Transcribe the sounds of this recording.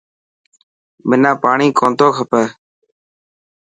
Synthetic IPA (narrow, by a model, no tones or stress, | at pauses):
mɪnãːpaːɳiːkõːnt̪oːkʰəpəː